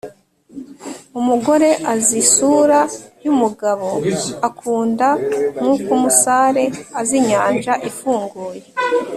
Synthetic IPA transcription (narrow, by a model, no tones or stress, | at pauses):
umuɡo̞ɾe̞ʔazisuɾajumuɡaβo̞akʰuːndaŋukumusaɾe̞aziɲaːnʒaʔifuːŋɡuːje̞